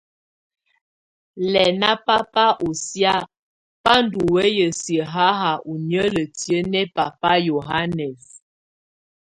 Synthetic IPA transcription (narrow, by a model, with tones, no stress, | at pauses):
lɛ˨na˦pa˦pa˦ʔo˨sja˦ | pa˦n˨du˨we˦jə˨sjə˨ɦa˦ɦa˨ʔu˨njə˦lə˨ti˨ə˦nɛ˦pa˨pa˦jo˨ɦa˦nɛ˨s